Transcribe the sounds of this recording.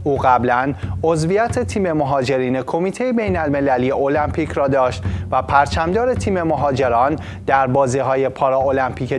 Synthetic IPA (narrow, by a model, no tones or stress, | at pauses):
ʔuːɢæblæno̞zvijæt̪ʰe̞t̪ʰiːme̞moɦɒːd͡ʒe̞ɾiːne̞kʰo̞miːt̪ʰejebe̞jnælme̞læliːje̞ʔolæmpʰiːcʰɾɒːd̪ɒːʃt̪væpʰæɾt͡ʃʰæmd̪ɒːɾe̞t̪ʰiːme̞moɦɒːd͡ʒe̞ɾɒːn | d̪̥æɾbɒːziːɦɒːje̞pʰɒɾɒolæmpʰiːcʰe